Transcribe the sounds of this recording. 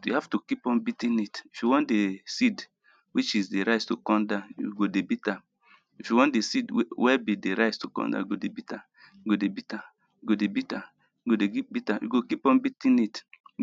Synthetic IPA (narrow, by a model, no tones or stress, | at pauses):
juhaftukipɔ̃nbitĩnitifjuwɔ̃ntdesid | wit͡ʃizdeɾaɪstokɔ̃ndajṵɡodebita | ifjuwɔ̃ndesidwɛbideɾaɪstukɔ̰̃nda̰jɡodebita | juɡodebita | juɡodebita | ɡodeɡip̚bitajṵɡokipɔ̃nbitĩnit